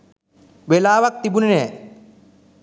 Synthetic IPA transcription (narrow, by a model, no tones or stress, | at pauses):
ʋelaːʋak̚t̪ibunenɛː